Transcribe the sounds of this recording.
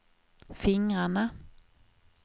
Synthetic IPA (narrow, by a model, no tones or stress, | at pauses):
fɪŋɾaɳa